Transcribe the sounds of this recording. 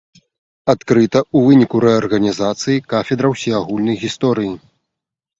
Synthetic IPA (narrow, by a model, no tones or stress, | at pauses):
at̪kɾɨt̪ɐuvɨnʲikuɾɛɐrɣɐnʲizat̪sɨjikafʲɛd̪ɾɐwsʲijaɣulʲnɐjɣʲist̪ɔɾɨji